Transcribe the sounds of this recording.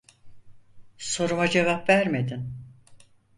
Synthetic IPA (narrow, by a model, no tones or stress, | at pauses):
so̞ɾumad͡ʒe̞vapvæɾme̞d̪in